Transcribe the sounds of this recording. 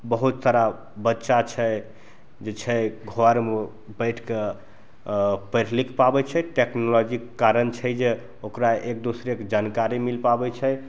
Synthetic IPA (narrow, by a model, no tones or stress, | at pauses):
bəɦut̪saɾa | bətːʃat͡ʃʰɛ | d͡ʒet͡ʃʰɛɡʱoaɾme | bəjʈʰke | pəɾlikpabɛt͡ʃʰɛʈeknɔlɔd͡ʒikːaɾənt͡ʃʰɛjd͡ʒe | okɾaek̚d̪usɾekd͡ʒankaɾimilpabɛt͡ʃʰɛj